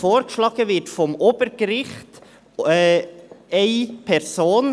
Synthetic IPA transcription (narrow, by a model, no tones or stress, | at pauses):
foːɾkəʃlɑːɡ̥əʋɪtfɔmʔoːb̥əɾɡ̥əɾɪχtː | eɪpʰɛɾsoːn